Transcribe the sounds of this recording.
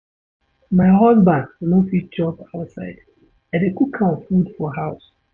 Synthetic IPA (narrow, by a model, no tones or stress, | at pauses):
maɪɦɔzbãndunofid͡ʒɔbaʊsa̰ɪd̥ | ɛ̃ndekukʰãfudfɔɦaʊs